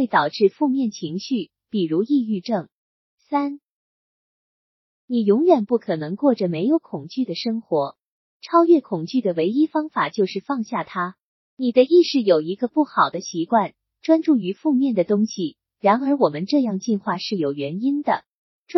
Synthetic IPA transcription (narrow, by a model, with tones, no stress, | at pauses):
we˥˩ɪt̪ɑ˨˩ʊʈ͡ʂɻ̩˥˧fu˥˧mjɛ˥˩nt͡ɕʰi˧˥ŋɕy˥˩ | pi˨˩ɻu˧˥i˥˧y˥˧ʈ͡ʂɤ˥˩ŋ | sa˥n | ni˨˩jʊ˧˥ŋɥɛ˨˩npu˥˩kʰɤ˨˩nɤ˧˥ŋkwɔ˥˩ʈ͡ʂə˩me˧˥ɪjo˧˥ʊkʰʊ˨˩ŋt͡ɕy˥˩d̪ə˩ʂɤ˥ŋxwɔ˧˥ | ʈ͡ʂʰɑ˥ʊɥɛ˥˩kʰʊ˨˩ŋt͡ɕy˥˩d̪ə˩we˧˥ɪi˥fɑ˥ŋfa˨˩t͡ɕjo˥˧ʊʂɻ̩˥˧fɑ˥˧ŋɕja˥˩t̪ʰa˥ | ni˨˩d̪ə˦i˥˧ʂɻ̩˥˩jo˨˩ʊi˧˥ɡə˧pu˥˩xɑ˨˩ʊd̪ə˦ɕi˧˥kwa˥˩n | ʈ͡ʂwa˥nʈ͡ʂu˥˩y˧˥fu˥˧mjɛ˥˩nd̪ə˩t̪ʊ˥ŋɕi˨˩ | ɻa˧˥nə˞˧˥wɔ˨˩mə˦nʈ͡ʂɤ˥˧jɑ˥˧ŋt͡ɕi˥˧nxwa˥˧ʂɻ̩˥˩jo˨˩ʊɥɛ˧˥ni˥nd̪ə̰˨˩ | ʈ͡ʂ